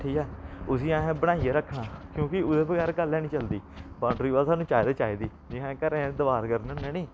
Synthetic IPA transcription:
ʈʰiːɛːʊsiːãːẽːbəɽ̃aːiːeːɾəkʰːnãːkjõːkɪʊd̪eːbəɡɛːɾɡəlːɛːnĩːt͡ʃəld̪iːbãːɳɖɾiːʋaːlsaːnũːt͡ʃaːjd̪eːt͡ʃaːiːd̪iːd͡ʒɪãːkəɾẽːd̪əʋaːɾkəɾnənɛ̃ːnĩː

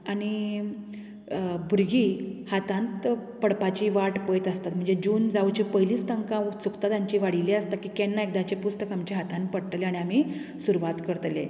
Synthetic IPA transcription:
aɽ̃i | bʱuɾɡihat̪ãnt̪pəɽpat͡ɕiːʋaʈpəjt̪əst̪at̪m̤əɳd͡zed͡ʑuːnd͡zawt͡ɕipəɦiliːst̪əŋkãt͡sukt̪ad̪jãɲt͡ɕiːʋaɽileəst̪akiːkɛnːaek̚d̪at͡ɕepust̪əkɦamt͡ɕeɦat̪ãnpəɽt̪leaɽ̃iam̤iːsuɾuʋat̪kəɾt̪le

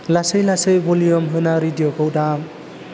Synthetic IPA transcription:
lasejlasejbɔlijɔmɦɯnaɾidiokʰowda

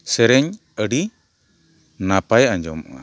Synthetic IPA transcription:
sɛɾɛɲ | əɖi | napajaɲd͡ʒɔ̰ma̰

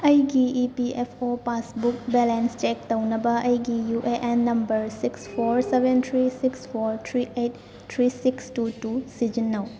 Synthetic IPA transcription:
ɐjɡiipiepʰopasbuk̚bɛlenst͡ʃɛk̚tawnɐbɐʔɐjɡijuʔeʔenːɐmbɐɾsikspʰoɾsebent̪ʰɾisikspʰoɾt̪ʰɾiejt | t̪ʰɾisikstutusid͡ʒinːɐw

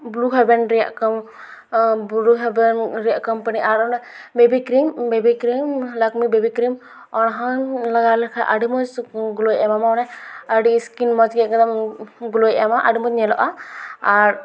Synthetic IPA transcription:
bluɦɛbɛnɾija̰ʔkɔm | bɾuɦɛbɛnɾijaʔkɔmpaniʔaɾɔnɛ | bebikɾimbebikɾimlakmibebikɾim | ɔnɦɔnlaɡalɛkʰaʔaɖimɔd͡ʒɡulojɛmamanɛaɖiskinmɔd͡ʒɡɛkɔd̪ɔmɡulojamaʔaɽimɔd͡ʒnɛlɔʔaaɾ

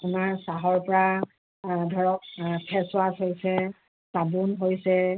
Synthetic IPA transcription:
amaɹsaɦɔɹpɔɹa | dʱɔɹɔk̚pʰɛswasɦojsɛ | sabunɦojsɛ

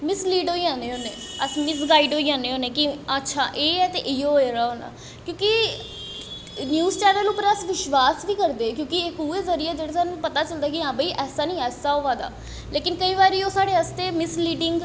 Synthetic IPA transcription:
mɪsliːɖoːiãːneːɦoːneːəsmɪs̬ɡaːiɖoːiãːneːoːneːkiətːʃʰaːʔeːɛːt̪eʔɪoːeɾaːɦoːna̰ː | kjõːkɪ | njuːzt͡ʃɛːnəlʊpəɾəsʋɪʃʋaːsʋiːkəɾd̪eːkjõːkiɪkuːeːzəɾiːaːd͡ʒeɽaːsaːnũːpət̪aːt͡ʃəld̪aːkɪãːbəiːʔɛːsaːnĩːɛːsaːɦoːʋãːd̪a̰ː | leːkɪnkəiːʋaːɾiːoːsaːɽeːəst̪eːmɪsliːɖɪŋɡ

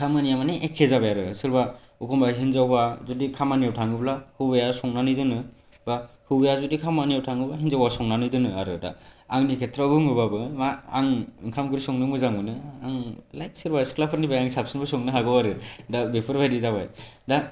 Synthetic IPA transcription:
kʰamanijamaniʔekʰːezabajaɾɯsɯɾba | ukʰɔmbaɦinzawbazudikʰamanijawtʰaŋɯblahɯbejasɔŋnanɯjdɯnɯ | ba | hɯbejazudikʰamanijawtʰaŋɯbaɦinzawbasɔŋnanɯjdɯnɯaɾɯda̰aŋnikʰetʰɾaɡɯŋɯbabɯmaaŋɯŋkʰamɡɯɾisɔŋnɯmɯzaŋbɯnɯaŋlajt̚sɯɾbasklapʰɯɾnibajaŋsapsɯnbɯsɔŋnɯɦaɡɯwaɾɯdabepʰɯɾbʱajdizaβajda

